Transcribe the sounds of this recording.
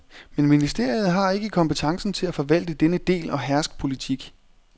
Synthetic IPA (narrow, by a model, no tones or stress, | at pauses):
menminisd̥e̝ɐ̰jð̞̩ˠɦɑ̈e̝ɡ̥əkʰɒ̽mpət͡sʰɑ̈ŋsn̩t͡sʰe̝læfɒ̽ʋæl̰d̥əd̥enəd̥e̝̰ːlɒ̽ɦæɐsɡ̥̚pʰo̝lit͡sʰiɡ̥